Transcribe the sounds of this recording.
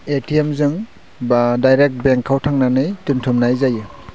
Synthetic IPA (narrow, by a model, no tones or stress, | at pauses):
etʰiemzɯŋ | badajɾek̚t̚beŋkʰːawtʰaŋnanɯjtuntʰumnajzajɯ